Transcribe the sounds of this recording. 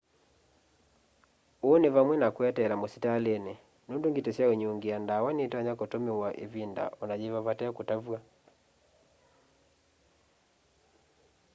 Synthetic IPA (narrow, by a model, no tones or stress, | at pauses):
onevamwɛnakwɛtɛɾamositalene | nondoŋɡitɛsjaoɲuŋɡiandawanetɛaɲakotomewaʔḛvinda̰ʔɔnad͡ʒeβaβatɛɔkotavwa